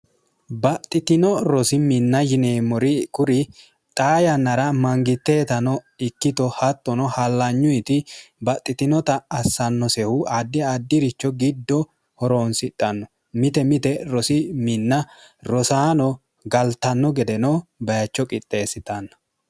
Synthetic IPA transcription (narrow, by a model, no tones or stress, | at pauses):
bɐt̪ʼːɪt̪ɪnɔɾɔsɪmɪnːɐjɪneːmɔɾɪkʊɾɪ | t̪ʼaːjɐnːɐɾɐmɐŋɡɪt̪ːe̞ːt̪ɐnɔɪkːɪt̪ɔhɐt̪ːɔnɔhɐlːɐɲːʊjt̪ɪbɐt̪ʼːɪt̪ɪnɔt̪ɐːsːɐnːɔsɛhʊaːd̪ːɪaːd̪ːɪɾɪt͡ʃːɔɡɪd̪ːɔ | hɔɾoːnsɪt̪ʼːɐnːɔ | mɪt̪ɛmɪt̪ɛɾɔsɪmɪnːɐɾɔsaːnɔ | ɡɐlt̪ɐnːɔɡɛd̪ɛnɔbɐjɐt͡ʃːɔkʼɪt̪ʼːe̞ːsɪt̪ɐnːɐ̥